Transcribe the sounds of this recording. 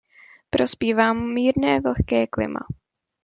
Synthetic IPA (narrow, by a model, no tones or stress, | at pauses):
pɾo̞spiːvaːmːiːɾnɛːvl̩xkɛːklɪ̰mʔa̰